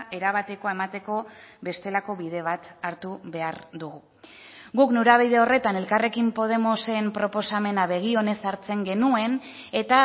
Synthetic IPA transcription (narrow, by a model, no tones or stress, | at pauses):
e̞ɾaβ̞at̪e̞ko̞ae̞mat̪e̞ko̞βe̞st̪e̞lako̞βiðe̞β̞at̪aɾt̪uβe̞aɾd̪uɣu | ɡuknuɾaβiðe̞o̞re̞t̪ane̞lkare̞kimpo̞ð̞e̞mo̞se̞mpɾo̞po̞same̞naβe̞ɣ̞io̞ne̞saɾt͡se̞ŋɡe̞nue̞ne̞t̪a